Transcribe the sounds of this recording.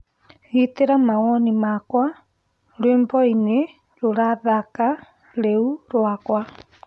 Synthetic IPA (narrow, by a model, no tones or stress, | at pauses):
ɣiteɾamaɣɔnimakwa | ɾweːmbɔine | ɾoɾaðaka | ɾeuɾwakwa